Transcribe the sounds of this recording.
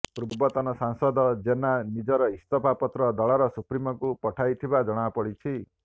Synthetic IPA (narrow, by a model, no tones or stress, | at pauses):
pɾubbɔt̪ɔnɔsaŋsɔd̪ɔd͡ʒenanid͡ʒɔɾɔist̪ɔpapɔt̪ɾɔd̪ɔɭɔɾɔsupɾimɔkupɔʈʰajt̪ʰibad͡ʒɔɽ̃apɔɽit͡ʃʰi